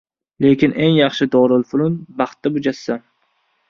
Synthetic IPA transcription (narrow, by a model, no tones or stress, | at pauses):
le̞kʲʰɪnʔe̞ŋjɑχʃɪd̪ɒɾɪlfʊlʊnbɑχt̪ːabʊd͡ʒasːan